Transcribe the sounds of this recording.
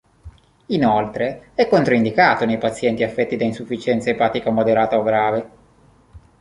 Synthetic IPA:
inolt̪ɾeɛkːont̪ɾoind̪ikaːt̪onejpat̪sːjɛnt̪iafːɛt̪ːid̪ainsufːit͡ʃɛnt̪saepaːt̪ikamod̪eɾaːt̪aoɡɾaːve

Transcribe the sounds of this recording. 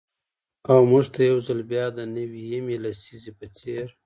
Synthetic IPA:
awmuʐt̪ajawzalbjɑd̪ənawijamelasizepət͡seɾ

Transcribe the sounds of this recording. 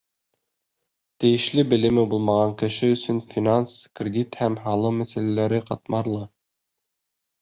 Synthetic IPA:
t̪ɘ̆jɘ̆ʃlɘbɘ̆lɘ̆mɘbulˠmɑʁɑŋkɘ̆ʃɘɵ̆sɵnfʲinanskrʲɪd̪ʲit̪hæmɦɑlˠɤmæsælælæɾɘqɑt̪mɑɾlˠɤ

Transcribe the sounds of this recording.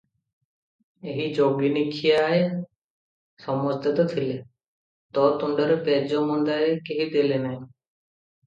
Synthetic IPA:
eɦiːd͡ʒoːɡiːnɪkʰijaːɦe | sɔmɔst̪ət̪ɔt̪ʰɪle | t̪ɔːt̪ʊɳɖəɾpeːd͡ʒomũnd̪aːɦekeɦiːd̪eːleːnaɦĩ

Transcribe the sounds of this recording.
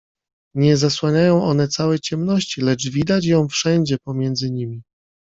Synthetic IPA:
ɲɛzaswaɲajɔ̃w̃ʔɔnɛt̪sawɛt͡ɕɛmnɔɕt͡ɕilɛt͡ʂvʲid̪at͡ɕjɔ̃w̃fʂɛɲd͡ʑɛpɔmʲjɛnd̪zɘɲimʲi

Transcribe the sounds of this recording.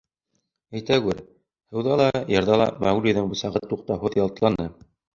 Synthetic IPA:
æjt̪æɡɘɾ | hɤ̆wðɑlˠɑjɤ̆ɾðɑlˠɑ̰mæwɾʲiðɤɴbusɑʁɤt̪ːuq̚t̪ɑhoðjɑlˠt̪lˠɑndɤ

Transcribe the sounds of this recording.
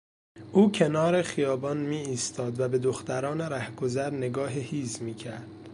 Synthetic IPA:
ʔuːcʰe̞nɒːɾeχijɒːbɒːnmiːiːst̪ɒːd̪væbe̞d̪oxt̪æɾɒːneɾæhɡozæɾne̞ɡɒːɦehiːzmiːcʰæ̰ɾd̪

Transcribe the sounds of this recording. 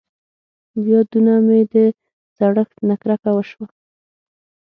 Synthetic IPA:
wjɑd̪unamed̪ə | zaɽəxt̪nakɾakawəʃwa

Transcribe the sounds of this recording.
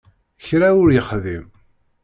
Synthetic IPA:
çɾaʊɾjəχðim

